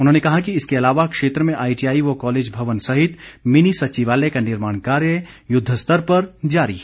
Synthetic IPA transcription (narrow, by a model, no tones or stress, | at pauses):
ʊnɦõːnekɐɦakiɪskeɐlaːʋakʃeːt̪ɾəmẽʔaːiʈiaːiʋokɔːleːd͡ʒbʱɐʋənsɐɦɪt̪mɪnisɐʃiʋaːlekanɪɾmaːɳ̃kaːɾjə | jʊd̪ʱːəst̪əɾpɐɾd͡ʒaːɾḭː